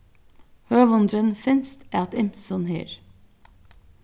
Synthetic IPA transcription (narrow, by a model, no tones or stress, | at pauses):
høːʋɔnd̪ɾənfɪnst̪æːɑt̪ɪmsɔnhḭːɾ